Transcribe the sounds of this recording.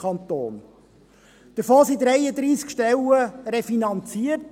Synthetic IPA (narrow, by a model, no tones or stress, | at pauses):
ɑnt̪o̰ːn | d̥əɾfoːsid̪ɾɛjəd̪ɾiːskʃtɛləɾɛfinɑnt͡siərt